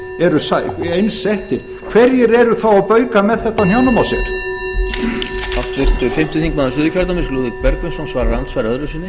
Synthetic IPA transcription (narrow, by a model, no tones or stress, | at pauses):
ɛɾʏsaejnsːɛht̪ɪɾ | kʰvɛɾjɛɾɛɾʏθawawpœːɥkamɛðθɛht̪ːanjawnamawsɛɾ̥ | aft̪ʰvɪr̥t̪ʏfɪm̥t̪ɪθiŋk̚maðɪsʏːðʏcʰaɾt̪amɪnsluːðɪk̚pɛɾkmʏnsɔnsvaːɾaɾant̪svajɾœðɾʏsiːnːɪ